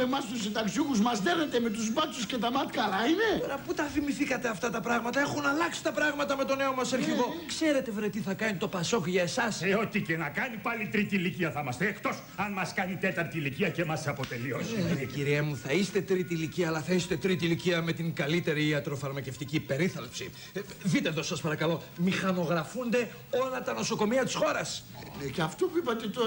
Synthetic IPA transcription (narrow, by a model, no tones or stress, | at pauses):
emɐst̪usind̪ɐksuɣuzmɐzðeɣnet̪eme̞t̪uzbɐt͡suscet̪ɐmɐt̪kɐlɐinet̪oɾɐput̪ɐfimiθikɐt̪e̞ɐft̪ɐt̪ɐpɾɐɣmɐt̪ɐe̞xunɐlɐksi̥t̪ɐpɾɐɣmɐt̪ɐme̞t̪o̞ne̞o̞mɐsɐɾçiɣo̞kse̞ɾe̞t̪evɾet̪iθɐkɐnit̪o̞pɐso̞kʝɐesɐseo̞t̪icenɐkɐnipɐlit̪ɾit̪iliciɐθɐmɐst̪eːkt̪o̞s | ɐnmɐskɐnit̪et̪ɐɾt̪iliciɐce̞mɐsɐpo̞t̪e̞lioseciɾiemuθɐist̪e̞t̪ɾit̪iliciɐːlɐθɐist̪e̞t̪ɾit̪iliciɐme̞t̪iŋɡɐlit̪e̞ɾiːɐt̪ɾo̞fɐɾmɐce̞ft̪icipe̞ɾiθɐlpsḭ | ðit̪eðosɐspɐɾɐkɐlo̞ | mixɐno̞ɣɾɐfund̪e̞ | o̞lɐt̪ɐno̞so̞ko̞miɐt̪i̥sxo̞ɾɐs | necɐft̪opuipɐt̪et̪o